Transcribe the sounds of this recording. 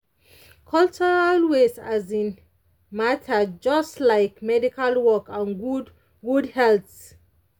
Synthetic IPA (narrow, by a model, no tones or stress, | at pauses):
kʰɔlt͡ʃəɹalwesazĩn | matʰad͡ʒɔstlaɪkmɛdikʰalwɔkãnɡ | ɡudhɛlt